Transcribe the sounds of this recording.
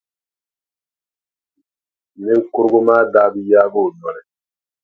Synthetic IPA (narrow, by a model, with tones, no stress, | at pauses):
ni˦ŋ̩˦kʊ˦ɾɡu˦maː˦daː˦bi˦jaː˦bo˦˨nɔ˨ɾɛ˨